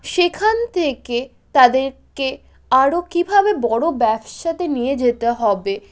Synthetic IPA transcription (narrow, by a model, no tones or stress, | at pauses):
ʃekʰant̪ʰeke | t̪ad̪eɾke | aɾokibʱabebɔɽobɛbʃat̪enijed͡ʑet̪eɦɔbe